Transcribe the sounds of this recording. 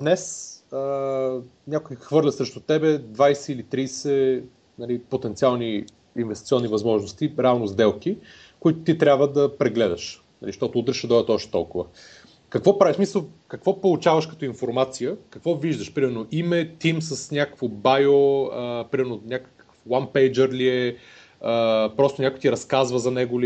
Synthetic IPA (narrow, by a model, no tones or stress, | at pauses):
d̪nɛsə | nʲakʊjxvɤɾlʲət̪sɾɛʃt̪ʊt̪ɛbɛd̪vajsɛilit̪ɾisɛ | nɐlipot̪ɛnt̪sialˠni | invɛst̪it̪sʲɔnːivɐzmɔʒnost̪iɾɛalˠnozd̪ɛlˠki | kʊit̪ʊ̥t̪it̪ɾʲabvəd̪ɐpɾɛɡlɛd̪ɐʃ | nɐ̰liʃt̪ɔt̪ʊud̪ɾɛʃɛd̪ɔɐt̪ɔʃt̪ɛ̥t̪ɔ̰lˠkʊvə | kɐkvɔpɾaviʃsmisəlˠkɐkvɔpolˠt͡ʃavɐʃkɐt̪ɔinfoɾmat̪sijəkɐkvɔviʒd̪əʃpɾimɛɾnoʔimɛt̪imsɐsnʲakəkvobajoəpɾimɛɾnonʲakə̥kə̥kə̥fwanpɛjd͡ʒəɾliɛ | əpɾɔst̪ʊnʲakʊjt̪iɾɐskazvəzɐnɛɡʊli